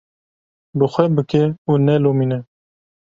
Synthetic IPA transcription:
bɨxʷɛbɨkɛuːnɛlomiːnɛ

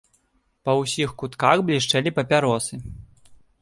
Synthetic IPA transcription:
pɐwsʲixkut̪kaxblʲiʂt͡ʂɛlʲipɐpʲaɾɔsɨ

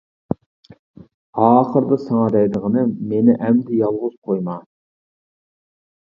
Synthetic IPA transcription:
ɑːχəɾd̪ɑsɑŋɑd̪ɛjd̪əʁənɨmenɪʔɛmd̪ɪjɑlˠʁʊz̥qʰojmɑ

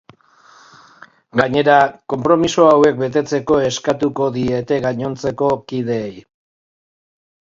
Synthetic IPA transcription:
ɡaɲe̞ɾako̞mpɾo̞misoawe̞k̚be̞t̪e̞t͡se̞ko̞e̞skat̪uko̞ðie̞t̪e̞ɣaɲo̞nt͡se̞ko̞kið̞e̞ːj

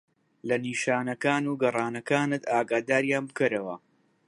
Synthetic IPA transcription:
lɐniːʃaːnɐkaːnuːɡɐrˤɑːnɐkaːnɨt̪aːɡaːd̪aːɾjaːnbɨkɐɾɐwɐ̰

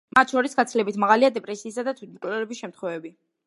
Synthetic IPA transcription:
mat̪ʰʃɔɾisɡat̪sʰlɛbit̪ʰmaʁaliad̪ɛpʼɾɛsiːsad̪at̪ʰwit̪̚ʰmbkʼɛlɛɾɛbisʃɛmt̪χwɛvɛbi

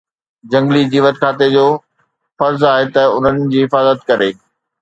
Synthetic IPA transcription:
d͡ʑɐ̃ŋɡlidiːʋət̪kʰaːt̪ed͡ʑoː | fɐɾzaːɦet̪ɐʊn̤ənɪ̆d͡ʑiːɦɪfaːzət̪kɐɾeː

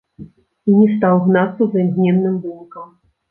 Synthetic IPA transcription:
inʲɛst̪awɣnat̪sɐznɣnʲɛnnːɨmbunkɐm

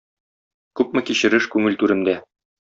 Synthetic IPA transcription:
kʉpmɘ̆kiɕɘ̆ɾɘʃkʉŋɘlt̪ʉɾɘ̆md̪æ

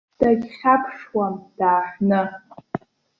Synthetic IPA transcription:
d̥aɡʲχʲapʰʂwamd̥aːħʷnɨ

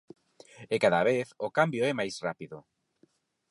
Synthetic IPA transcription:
ekaðaβeθokambjoɛmajsrapiðʊ

